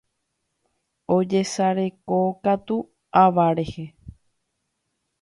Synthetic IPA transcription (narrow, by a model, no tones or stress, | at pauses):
od͡ʒe̞saɾekokat̪u | aʋaɾe̞he